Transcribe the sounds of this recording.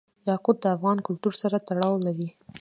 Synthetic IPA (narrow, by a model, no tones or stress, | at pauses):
jɑqʊb̚d̪əafɣɑnkʊlt̪uɾsaɾat̪aɽɑwlaɾi